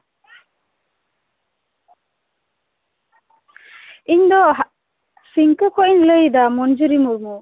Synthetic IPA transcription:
iɲd̪ɔ | siŋkəkʰɔʔiɲləjd̪amɔnd͡ʒuɾimuɾmu

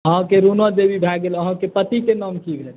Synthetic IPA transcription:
əɦə̃keɾunʋəd̪ebʱibʱɛɡeləɦə̃kepət̪ikenɔmkibʱel

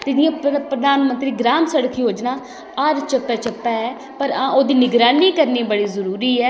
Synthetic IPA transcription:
t̪ɪd̪ɪãːpɾəd̪aːnmənt̪ɾiːɡɾaːmsəɽkʰiːɦoːd͡ʒnaː | əɾt͡ʃəpːɛːt͡ʃəpːɛːɛː | pəɾãːoːd̪iːnɪɡɾaːniːkəɾniːbəɽiːzəɾuːɾiːɛː

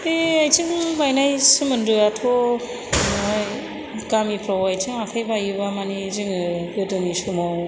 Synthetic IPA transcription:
eajtɯŋbajnajsɯmɯnɾɯatʰo | j | ɡamipʰɾɔwajtʰɯŋakʰajbajɯβamanizɯŋɯɡɯdɯnisɯmɔ

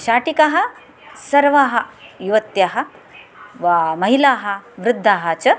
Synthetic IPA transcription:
ʃaːʈikaɦɐ̆ | sɐɾʋaːɦɐjuʋɐt̪jaːɦɐ̆ | ʋamɐɦilaːɦɐ̆ʋɾɪd̪ʱːaːɦɐ̆t͡ʃɐ

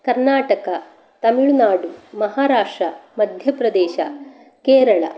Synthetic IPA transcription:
kɐɾnaːʈɐkɐ | t̪ɐmiɭunaːɽumɐɦaːɾaːʂʈɾɐmɐd̪ʱjɐpɾɐd̪eːʃɐ | keːɾɐɭɐ̰

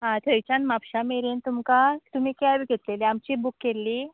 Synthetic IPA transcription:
ɦãt̪ʰəjit͡ɕanmapɕameɾent̪umkat̪um̤iːkjaʋiɡʱet̪leleamt͡ɕiːbukːelːiː

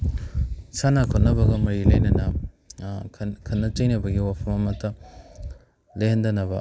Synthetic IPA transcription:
sanakʰonɐbɐɡɐmɐɾilɐjnɐnɐ | kʰɐnːɐt͡ʃɐjnɐbɐɡiwapʰɐmɐmɐtɐ | lendɐnɐbɐ

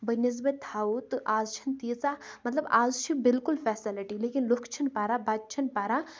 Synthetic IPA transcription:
bɐniz̬bɐt̪ʰaːut̪ɨʔaːzt͡ʃʰɐnt̪iːt͡samɐt̪lɐbaːzt͡ʃʰibɪlkʊlfɛːsiliʈileːkinlokʰt͡ʃʰɐnpaːɾabad̪̚t͡ʃʰɐnpaːɾa

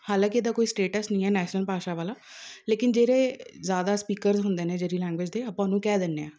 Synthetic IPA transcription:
haːlãːkɪd̪aːkoːiːsʈeːʈəsnəĩːɛːnɛːʃnəlpaːʃaːʋaːlaːleːkɪnd͡ʒeːɾeːzjaːd̪aːspiːkəɾzɦʊnd̪eːneːd͡ʒeːɾiːlɛ̃ːŋɡʋɪd͡ʒd̪eːəpãːnũːkɛːd̪ɪnːeːãː

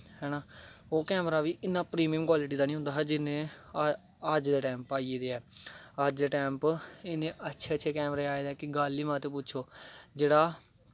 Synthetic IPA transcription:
hɛːɽãːoːkɛːmɾaːʋiːʔɪnːãːpɾiːmɪjəmkwaːlɪʈ̬iːd̪aːnĩɦʊ̃nd̪aːɦɛːd͡ʒɪnẽː | əd͡ʒd̪eːʈɛːmpaːied̪eːɛːəd͡ʒd̪eːʈɛːmpɪnẽːʔətːʃʰeːətːʃʰeːkɛːmɾeːaːeːd̪eːkɪɡaːliːmãːt̪eːp̬ʊtːt͡ʃʰoːd͡ʒeːɽaː

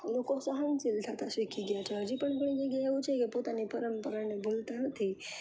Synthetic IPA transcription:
lokosəɦant͡ɕiltʰat̪asekiɡjat͡ɕʰeɦəd͡ʑipəɳkəɳ̃iɡeɡejaʋut͡ʃʰekipot̪anipəɾəmpəɾaɳebʱolt̪anət̪ʰi

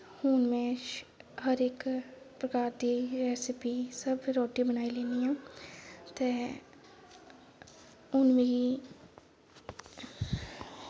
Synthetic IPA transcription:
huːnmẽ | ɦəɾeːk | pɾəkaːɾd̪iɾɛːsɪpisəbɾɔːʈibənaːileːniãː | t̪e | ʊnmẽi

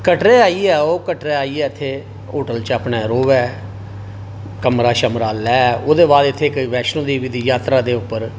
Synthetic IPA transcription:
kəʈɾeːaːiɛːoːkəʈɾeːaːiːɛːɪt̪ʰːeː | oːʈəlt͡ʃaːpneːɾoːʋɛː | kəmɾaːʃəmɾaːlɛːoːd̪eːbaːd̪ɪt̪ʰːeːkəiːʋɛːʃnõːd̪iːʋid̪iːjaːt̪ɾaːd̪eːʊpːəɾ

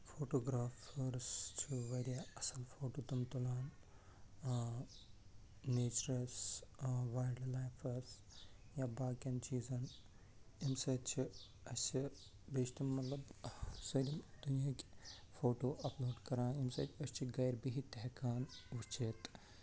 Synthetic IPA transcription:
foːʈoːɡɾaːfɐɾst͡ʃʰiʋɐɾijaɐsɐlfoːʈoːt̪ɐmt̪ulaːn | neːt͡ʃɾɐs | ʋaːjlɖlaːjfʰɐɾs | jaːbaːkɐnt͡ʃiːzɐn | imsɐt͡ʃʰi | ɐst͡ʃʰi | beːʃt̪imɐt̪lɐbsɐd̪imd̪̥unjaːkʲ | foːʈoːʔɐploːɖkɐɾãːimsɐ̰ːtʲɐst͡ʃʰiɡɐjɾbiɦit̪ɛɦkaːnʋut͡ʃʰet̪

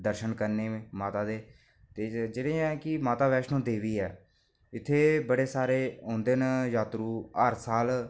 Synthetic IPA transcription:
d̪əɾʃənkəɾnẽːmaːt̪aːd̪eː | t̪eːd͡ʒeːɽeːɛ̃ːkɪmaːt̪aːʋɛːʃnõːd̪eːʋiːɛ̰ː | ɪt̪ʰːeːbəɽeːsaːɾeːɦõːnd̪eːnjaːt̪ɾuːəɾsaːl

